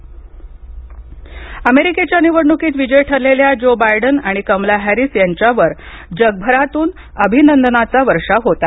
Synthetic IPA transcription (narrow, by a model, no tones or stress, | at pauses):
əmeɾiket͡ɕjaniʋəɾɳukiːt̪ʋid͡ʑəjʈʰəɾleljad͡ʑobajɖənaɽ̃ikəmlaɦæɾisjaɲt͡ɕjaʋəɾ | d͡ʑəɡ̚bʱəɾat̪uːn | əbʱinənd̪ənat͡saʋəɾʂaɦot̪a